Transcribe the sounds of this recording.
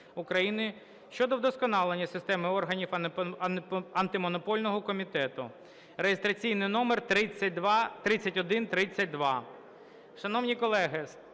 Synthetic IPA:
ukɾɐjinɪ | ʃt͡ʃɔd̪ɔwd̪ɔskɔnɑlˠenʲːɐsɪst̪ɛmɪɔrɦɐnʲiw | ɐnt̪ɪmɔnɔpɔlʲnɔɦɔkɔmʲit̪ɛt̪ʊ | rejest̪ɾɐt͡sʲijnɪjnɔmert̪ɾɪt͡sʲːɐt̚ʲd̪t̪ɾɪt͡sʲɐtʲɔd̪ɪnt̪ɾɪt͡sʲːɐt̚ʲd̪ʋɑ | ʃɐnɔwnʲikɔlˠɛɦɪ

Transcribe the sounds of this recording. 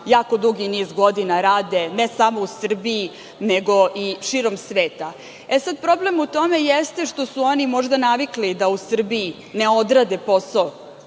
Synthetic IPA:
jaːko̞d̪uɡiniːzɡod̪inaɾaːd̪enesamo̞usr̩bii | neɡoʔiʃiɾomsʋeːt̪a | esad̪̚pɾo̞ble̞mut̪o̞me̞jest̪e̞ʃt̪o̞suonimo̞ʒd̪anaʋiklid̪ausr̩bii | neod̪ɾad̪eposao

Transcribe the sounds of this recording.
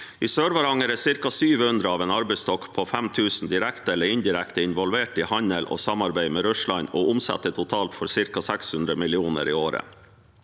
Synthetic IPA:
iːsøːɾʋɑɾɑŋəɾeːsɪɾkɑsyːʋhʉnd̪ɾəɑːʋeːnɑɾbɛɪst̪ɔkpʰoːfɛmt̪ʰʉːsn̩d̪ɪɾɛkt̪əɛlːəɾɪnd̪ɪɾɛkt̪əɪnʋɔlʋeːʈiːhɑɲəlʔo̰ːsɑmɑɾbæɪmeːɾʉʂlɑɪnoːʊmsɛ̰t̪ːət̪ʰʊt̪ʰɑːlt̪fɔɾsɪɾkɑsɛkshʉnd̪ɾəmɪlɪuːnə̰ɾiːoːɾə̰

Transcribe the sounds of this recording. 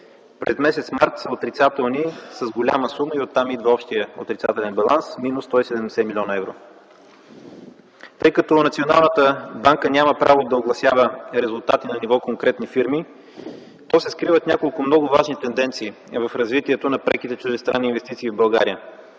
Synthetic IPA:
pɾɛ̰zmɛsɛt̪smaɾt̪sɐot̪ɾit̪sat̪ɛlˠnisɐzɡolʲa̰məsuməiot̪ːamid̪vəɔpʃt̪ijəo̰t̪ɾʲit̪sat̪ɛlɛnbɐlˠansminusːt̪ɔisɛd̪ɛmd̪ɛsɛmilʲɔnɐɛvɾo̰ | t̪ɤjkɐt̪ɔnɐt̪siona̰lˠnət̪əbaŋkənʲaməpɾʔavod̪ɐoɡlˠɐsʲjavəɾɛzʊlˠt̪at̪inɐnivɔkoŋkɾɛt̪nifiɾmi | t̪ɔsɛskɾivət̪nʲakolˠkʊmnɔɡʊvaʒnit̪ɛnd̪ɛnt̪siː | vɐfɾɐzvit̪iɛt̪onɐpɾɛkit̪ɛt͡ʃuʒɛst̪ɾanːiːnvɛst̪it̪siːvbɐlˠɡa̰ɾijə

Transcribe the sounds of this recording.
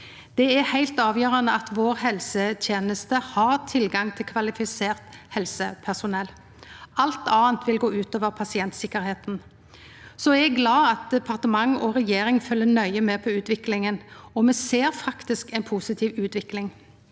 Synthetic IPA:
d̪̥ɛæhæɪlt̪ɑːʋjøːʁɑnəɑt̪ʋoːɾhɛlsət̪ʰjeːnəst̪əhɑɾt̪ʰɪlɡɑŋt̪ʰɪlkʰʋɑlɪfɪseːʁt̪hɛlsəpʰæʂʊnɛlː | ɑlt̪ɑːnt̪ʰʋɪlɡoːʉːt̪oːʋəɾpʰɑsɪɛnt̪sɪkːəɾheːt̪n | sɔɛɡɡlɑːɑt̪̚d̪ɛpʰɑʁt̪əmɑŋɔɾɛjeːɾɪŋfœlːənœʏəmɛːpʰɔʉːt̪ʋɪklɪŋənɔmɛseːɾfɑkt̪ɪskɛɪnpʰuːsɪt̪ʰiːʋʉːt̪ʋɪklɪŋ

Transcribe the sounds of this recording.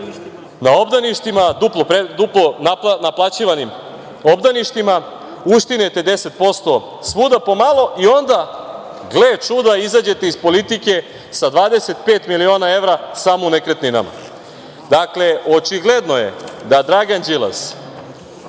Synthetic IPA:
nao̞bd̪aniʃt̪imad̪uplopɾed̪uplonanaplˠat͡ɕiʋanim | obd̪aniʂt̪ima | uʃt̪inet̪e̞d̪e̞set̪̚po̞st̪o̞ | sʋud̪apo̞malˠo̞ʔio̞nd̪a | ɡlet͡ʃud̪aizad͡ʑe̞t̪eispo̞lit̪ike̞ | sad̪ʋaːd̪eset̪̚peːt̪milio̞ːnae̞ʋɾasamounekɾet̪nina̰ma̰ | d̪akle̞ʔo̞t͡ʃiɡled̪no̞jḛd̪ad̪ɾaɡand͡ʑilˠa̰s

